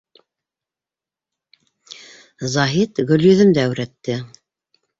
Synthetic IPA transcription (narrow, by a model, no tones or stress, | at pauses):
zɑɦit̪ɡɵ̆ljɵ̆ðɵ̆md̪æːwɾæt̪ːɘ